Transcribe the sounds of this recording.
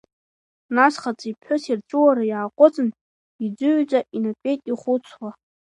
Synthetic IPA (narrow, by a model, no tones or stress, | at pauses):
nasχat͡sʼipʰħʊsirʈ͡ʂʷʼʊwaɾajaːqʷʼʊt͡sʼɨn | id͡zʷʊʕd͡ʒʷʼaʔinakʲʷʼe̞jtʼiχʷʊt͡sʷʰwa